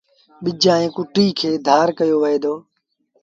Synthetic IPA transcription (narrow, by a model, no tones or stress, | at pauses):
ɓɪd͡ʒãːẽːkʊʈiːkʰeːd̪ʱaːɾkəjoːʋəɦeːd̪oː